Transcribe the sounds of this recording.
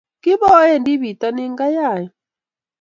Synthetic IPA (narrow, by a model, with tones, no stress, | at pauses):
kɪ˦βɔ˦jɛ˦˨ndi˦βi˨ta˦nɪ˦ŋɡa˦ja˦˨jɔ˨